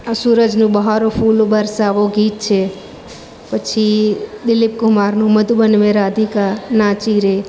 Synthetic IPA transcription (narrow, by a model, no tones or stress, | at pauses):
suɾəd͡ʒnũbəɦaɾopʰulobəɾsaːʋoɡiːt̪̚t͡ʃʰe | pət͡ʃʰid̪ɪlɪp̚kʊmaːɾnũməd̪bənmeɾaəd̪ʱikaɾnat͡ʃiɾe